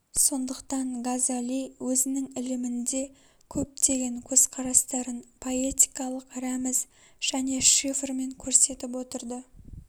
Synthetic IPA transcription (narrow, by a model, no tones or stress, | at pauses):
so̞nd̪əqt̪ɑɴɡazalʲijwɵzɪnɪŋɪlɪmɪnd̪e̞ | kʲʰɵp̚t̪e̞ɡʲe̞ŋkʲʰɵz̥qʰɑɾɑst̪ɑɾənpʰo̞e̞t̪ʲi̥jkɑlˠəqɾæmɪz | ʒ̥æne̞ʃifrme̞ŋkʲʰɵɾse̞t̪ɪp̬wo̞t̪əɾd̪ə